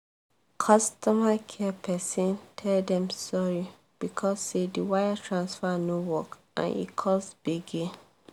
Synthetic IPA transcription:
kʰɔstɔmakʰɛpʰɛsɔ̃ntʰɛldɛ̃msɔɹi | b̥ikʰɔsːediwajatʰɹãnsfanowɔkʔã̰nḭkʰɔsb̥eɡe

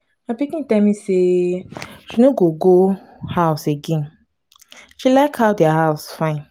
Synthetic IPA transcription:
ãpikĩtãmĩse | ʃinoɡoɡo | haʊseɡẽn | ʃilaɪkʰaʊdahaʊsfãɪ̃n

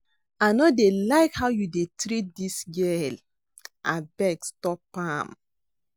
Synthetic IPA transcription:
anɔdelaɪkhaʊjudetɾit̚disɡɛl | ʔabɛɡstɔpãm

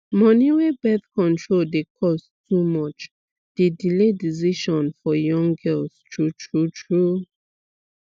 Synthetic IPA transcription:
mɔniwebɛθkɔ̃ntɹoldekʰɔs | tʰumɔt͡ʃ | d̥edilediziʃɔ̃nfɔjɔ̃ŋɡɜlstʰɹutɹutʰɹu

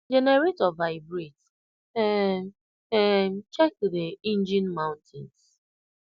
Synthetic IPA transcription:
d͡ʒɛnɛɾetɔvaɪbɾit | ɛ | ɛm̩t͡ʃɛk̚deĩnd͡ʒĩnmãʊ̃ntʰɪ̰̃ns

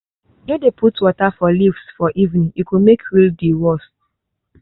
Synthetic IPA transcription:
nodepʰutwɔtafɔlivsfɔʔivnĩikumekʰɹildiwɔs

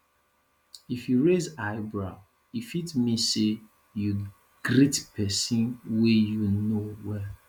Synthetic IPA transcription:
ifjuɹezaɪbɹa | ifitmĩse | ju | ɡ̥ɾitpʰɛsĩnwejunowɛ

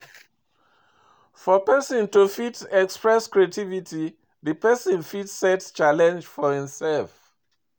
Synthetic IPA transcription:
fɔpɛsɔ̃ntufitɛkspɹɛskɹiatʰivitʰi | ðɨpɛsɔ̃nfitsɛtst͡ʃalɛ̃nd͡ʒfɔhĩmsɛlf

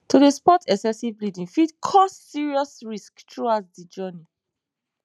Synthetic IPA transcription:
tudespɔtʰɛksɛsivblidĩŋfidkʰɔsːiɹiɔsɹisktɹuasdid͡ʒɜni

